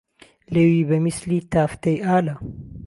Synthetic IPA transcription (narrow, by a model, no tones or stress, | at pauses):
leːwiːbɐmislit̪aːft̪ɐjʔaːlɐ